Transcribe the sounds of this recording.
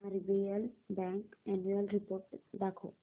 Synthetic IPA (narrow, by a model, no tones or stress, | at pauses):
aɾibejalbɛŋkɛnuelɾipoɾʈd̪ɛkʰo̰